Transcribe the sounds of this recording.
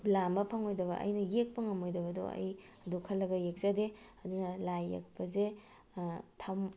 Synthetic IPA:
blambɐpʰɐŋojdɐβɐ̰ʔɐ̰jnɐjek̚pɐŋɐmojdɐbɐdo̰ɐ̰j | ɐdukʰɐlːɐɡɐjek̚z̥ade | ɐdunɐlajːḛk̚pɐze | tʰɐm

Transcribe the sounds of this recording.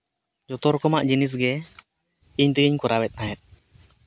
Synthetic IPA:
d͡ʒɔt̪ɔɾkɔmaʔd͡ʒinis̬ɡɛ | iɲt̪əɡiɲkɔɾawɛt̪̚ˀnaɦɛt̪̚

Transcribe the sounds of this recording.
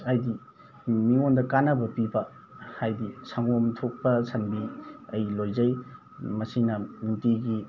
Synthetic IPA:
ajdi | miŋondɐkanɐbɐpibɐ | hajdisaŋomtʰok̚pɐsɐnbiɐjlojzɐj | mɐsiŋnɐmitiɡi

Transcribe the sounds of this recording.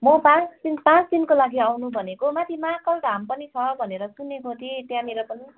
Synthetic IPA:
mʌpãt͡sd̪̥inpãt͡sd̪inkolaɡiawnubʱʌnekomat̪ʰimakʌlɖʱampʌnit͡sʰʌbʱʌneɾʌsunekot̪ʰit̪jãmeɾopʌni

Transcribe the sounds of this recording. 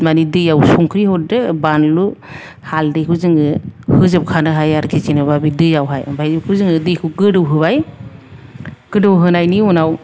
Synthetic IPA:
manidɯjawsɔŋkʰɾihɔdɯbanlu | haldɯkʰɯzɯŋɯhɯzɯp̚kʰanɯɦajaɾkʰizinɯbabidɯjawɦajbajzikʰɯzɯŋɯdɯkʰɯɡɯdɯwɦɯbaj | ɡ̥ɯdɯwɦɯnajniunaw

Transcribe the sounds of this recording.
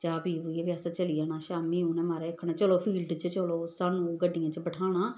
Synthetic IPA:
d͡ʒaːpiːʋuieːʋjaːsaːt͡ʃəliːaːnaːʃaːmiːũːnɛ̃ːmaːɾɛːkʰːɳãːt͡ʃəloːpʰiːlɖt͡ʃət͡ʃəloːsaːnũːɡəɖːɪjãːt͡ʃəbəʈʰaːɽ̃aː

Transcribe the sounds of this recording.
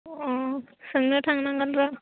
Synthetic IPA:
ɔsɯŋnɯʈʰaŋnaŋɡanɾa

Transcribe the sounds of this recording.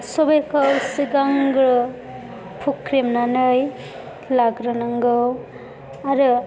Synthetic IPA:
sobekʰawsiɡaŋɡɾɯ | pʰukʰɾemnanɯj | laɡɾɯnaŋɡɯw | aɾɯ

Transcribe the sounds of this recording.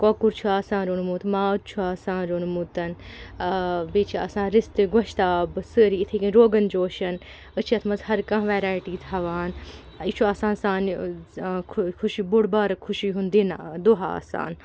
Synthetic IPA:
koːkuɾt͡ʃʰuaːsãːnɾonmuːt̪ʰmaːt͡ʃʰuaːsãːnɾonmut̪ɐn | beːt͡ʃʰia̰ːsãːnɾist̪ɨɡwɐʃt̪aːbɨsɨɾiːt̪ʰekinɾoːɡɐnd͡ʒoːʃɐn | ət͡ʃʰɐt̪ʰmɐzɦɐɾkɐ̃ɦʋeːɾaːjʈiːt̪ʰɦɐʋaːn | it͡ʃʰuaːsãːnsaːnʰ | kʰuʃibuɽbaːɾɐkʰʊʃiɦund̪inad̪oɦaa̰ːsa̰ːn

